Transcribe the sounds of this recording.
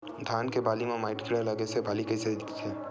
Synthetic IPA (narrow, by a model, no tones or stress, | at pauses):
d̪ʱaːnkebaːlimãmaɪʈkʰiɽaləɡesebaːlikəjsed̪t̪t̪ʰɛ